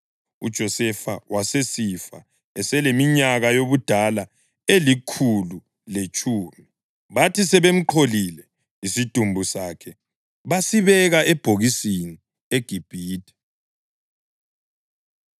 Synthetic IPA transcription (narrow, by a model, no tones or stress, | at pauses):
ṵd̥ʒ̥ʱɔsɛfa̰wasesifa̰ | ɛsɛlemiɲaɣajoβud̥ʱala | elikʰulu | let͡ʃʼuːmi | βatʰisɛβem̩ǃʰolilɛ | isid̥ʱumbʱusaːkʰɛ | βasiβɛɣaʔɛb̥ʱoɣisini | eɡ̥ʱib̥ʱiːdʰʱʼɛ̥